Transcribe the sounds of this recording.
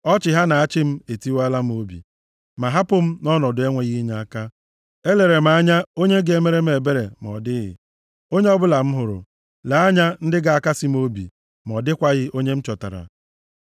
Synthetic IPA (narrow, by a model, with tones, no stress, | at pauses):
ɔ˦t͡ʃɪ˨ɦa˦na˨a˦t͡ʃɪ˦m̩˦e˨ti˦wa˦la˦m̩˦o˦bḭ˨ | ma˨ɦa˦pʊ˦m̩˦nɔ˦nɔ˨dʊ˨˦e˦ŋʷe˨ɣi˦ɲa˨a˦ka˦ | e˦le˨ɾe˨m̩˨a˦ɲa˦o˦ɲe˦ɡe˦me˦ɾe˦m˦e˨be˦ɾe˨m˨ɔ̰˨dɪ˦ɣɪ̰˨ | o˦ɲe˦ɔ˦bʊ˦la˨m̩˦ɦʊ˨ɾʊ̰˨ | la˨a˦ɲa˦n̩˦dɪ˦ɡa˨a˦ka˦sɪ˦m˦o˦bḭ˨ | m˨ɔ˨dɪ˦kʷa˦ɣɪ˦o˦ɲe˦m̩˦t͡ʃɔ˨ta̰˨ɾa̰˨